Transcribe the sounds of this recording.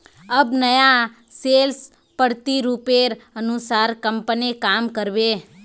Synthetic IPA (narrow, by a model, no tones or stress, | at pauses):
əbnəja | sels | pəɽt̪iɾupeɾənusaɾkəmpənikamkəɾʋe